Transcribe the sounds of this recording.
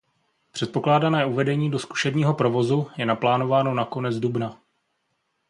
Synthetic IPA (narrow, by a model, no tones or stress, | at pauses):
pr̝̥ɛt̪̚po̞klaːdanɛːuvɛdɛɲiːdo̞sku̥ʃɛbɲiːɦo̞pɾo̞vo̞zujɛnaplaːno̞vaːno̞nako̞nɛd͡zdubna